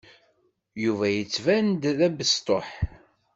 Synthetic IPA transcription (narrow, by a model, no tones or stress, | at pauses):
juvæjət͡sːvænd̪ðæbəst̪ˤoħ